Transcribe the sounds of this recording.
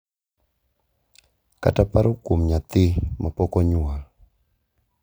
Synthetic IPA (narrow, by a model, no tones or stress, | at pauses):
ka̰tapaɾokomɲat̪ɪmapɔkɔɲʊa